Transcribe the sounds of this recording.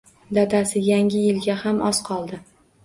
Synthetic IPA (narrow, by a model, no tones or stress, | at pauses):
d̪at̪asɪjaŋʲɪjɪlɡʲahamʔɒsqʰɒlˠd̪ɪ